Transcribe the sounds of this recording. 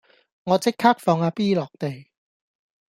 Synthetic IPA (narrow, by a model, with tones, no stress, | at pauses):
ŋɔː˨˧t͡sɪ˥kʰːaː˥k̚fɔː˧ŋaː˧piː˥lɔː˨˩k̚t̪e˨j